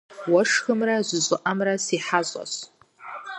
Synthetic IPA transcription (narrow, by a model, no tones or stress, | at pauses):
waʂxɨmrazʷzʷʼʊʔamrasiħazʷʼa̰s